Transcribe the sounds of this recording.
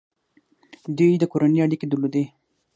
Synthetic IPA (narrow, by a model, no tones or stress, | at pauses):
d̪ujd̪əkoɾaneaɽiked̪ulod̪e